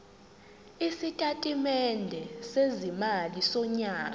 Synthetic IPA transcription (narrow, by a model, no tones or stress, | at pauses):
isitʼatʼimɛndʱɛsezimalisɔɲaː